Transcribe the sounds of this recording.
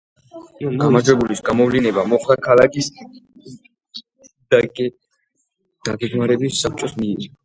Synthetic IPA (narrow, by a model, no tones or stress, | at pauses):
ɡɡamaɾd͡ʒwɛbulisɡamɔvlinɛbamɔχlˠakʰalakʰʼis | d̪a | d̪̥aɡɛɡmaɾɛbisːap̚ʰt͡ʃʼɔsmiɾi